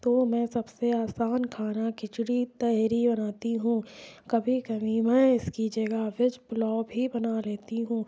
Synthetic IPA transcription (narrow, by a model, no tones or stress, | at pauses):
t̪oːmɛ̃ːsɐbseaːsaːnkʰaːnakɪt͡ʃɽit̪ɛɦɾibɐnaːt̪iɦũːkɐbʱikɐbʱimɛ̃ɪskid͡ʒɐɡəʋɪd͡ʒblɔːbʱibɐnaleːt̪iɦũː